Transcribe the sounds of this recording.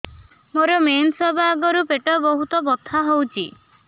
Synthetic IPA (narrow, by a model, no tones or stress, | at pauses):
moɾɔmensɔbaːɡɔɾupeʈɔbɔɦut̪ɔbɔt̪ʰːaɦowt͡ʃʰi